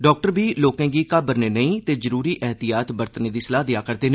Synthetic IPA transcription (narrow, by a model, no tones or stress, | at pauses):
ɖɔːk̚ʈəɾbiːloːkɛ̃ːɡiːkabəɾneːnəĩːt̪eːzəɾuːɾiːʔɛːɦt̪ijaːt̪bəɾt̪ənĩːd̪iːsəlaːd̪ɪjaːkəɾd̪eːn